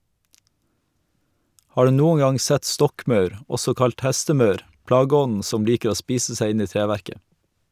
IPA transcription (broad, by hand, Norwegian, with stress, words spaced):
ˈhɑː ˈɖʉː ˈnuːə ˈɡɑŋ ˈsɛt ˈstɔkˌmɑʉɾ ˈɔsɔ ˈkɑlt ˈhæstəˌmœɾ ˈplɑːɡəˌɔnn̩ ˈsɔm ˈliːkə ˈoː ˈspiːsə ˈsæɪ ˈɪn ˈiː ˈtɾeːˌʋæɾkə